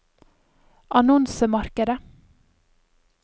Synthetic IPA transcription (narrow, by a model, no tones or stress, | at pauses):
ʔɑnɔnsəmɑɾkəd̪ə